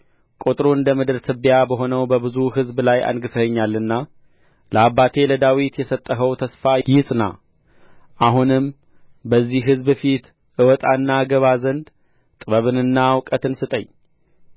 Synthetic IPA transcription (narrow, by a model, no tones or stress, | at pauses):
kʼut̪ʼɾoɨnd̪əmɨd̪ɨɾt̪ʰɨβjabəɦo̞nəwbəbɨzuɦɨzblaja̰nɡɨsəhəɲːalːɨnːa | ləabːat̪ʰe̞ləd̪awit̪jɛsət̪ʼːəɦəwt̪ʰəsfajɪsʼna̰ | ʔaɦunɨm | bəzːihɦɨzbɨfit̪ | ʔɨwɔt̪ʼaɨnːaɡəβazənd̪ | t̪ʼɨβəβɨnɨnːawkʼət̪ʰɨnsɨt̪ʼəɲː